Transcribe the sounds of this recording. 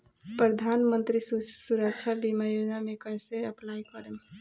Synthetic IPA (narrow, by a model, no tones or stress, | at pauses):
pɾəd̪ʱanmənt̪ɾissuɾəkt͡ʃʰabimajod͡ʒnamẽkəjseəplaikəɾe